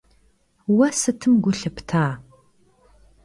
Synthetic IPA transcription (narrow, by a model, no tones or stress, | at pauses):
wɐsɨtʰɨmɡʷʊɬɐptʰaː